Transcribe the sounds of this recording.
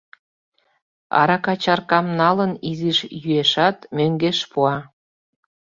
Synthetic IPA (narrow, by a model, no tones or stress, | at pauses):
ɑ̰ɾɑkɑt͡ɕɑrkɑmnɑləniziʃjyeʃɑt̪møŋɡeʃpuɑ